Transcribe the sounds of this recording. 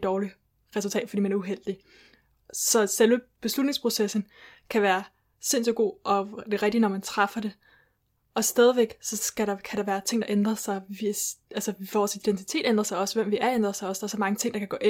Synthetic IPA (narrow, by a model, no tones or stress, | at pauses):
d̥ɒːli | ʁɛsult͡sʰɛ̰ːd̥fdḭːmænæɐuɦel̰d̥i | sɒ̽selʋəb̥e̝slud̥ne̝ŋspʰʁo̝sesn̩kʰæʋæːɐ | se̝n̰sɒɡ̥o̝̰ːʔɒ̽d̥e̝ʁɛɡ̥d̥inɒmænt͡sʰʁɑfɐd̥e̝ | ʔɒ̽sd̥ɛːð̞ˠʋeɡ̥sɒ̽ɡ̥æɾɑkʰæɾ̥ɑ̈ʋæːɐt͡sʰe̝ŋ̰d̥ɑ̈ʔend̥ʁɐsɑ̈ɪʋiʔælsəʋɒːsid̥ent͡sʰi̥t͡sʰe̝̰ːd̥end̥ʁɐsɑ̈ɪɒ̽sʋem̰ʋiʔæɐend̥ʁɐsɑ̈ɪɒ̽sd̥ɑ̈ɐsɒmɑ̈ŋət͡sʰe̝ŋ̰d̥ɑkʰæɡ̥ɔ̰̽ːʔe